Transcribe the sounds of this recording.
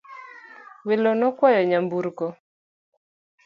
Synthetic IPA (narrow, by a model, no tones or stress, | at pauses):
welonɔkwɔjɔɲambuɾkɔ